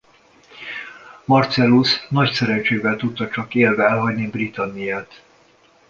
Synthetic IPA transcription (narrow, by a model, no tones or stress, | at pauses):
mɒrt̪sɛlusnɒcsɛɾɛnt͡ʃeːvɛlt̪ut̪ːɒt͡ʃɒkeːlvɛɛlɦɒɟnibrit̪ɒnːijaːt̪